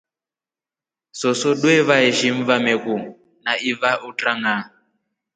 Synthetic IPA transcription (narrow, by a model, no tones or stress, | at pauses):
sɔsɔɗwɛβaɛʒiɱvamɛku | naʔivaʔutʼraŋa